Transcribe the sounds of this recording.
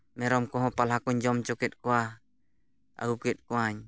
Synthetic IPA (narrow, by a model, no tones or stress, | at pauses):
mɛɾɔmkɔɦɔpalakuɲd͡ʒɔmt͡ʃɔkɛt̪̚kua | a̰ɡukɛt̪̚kuaɲ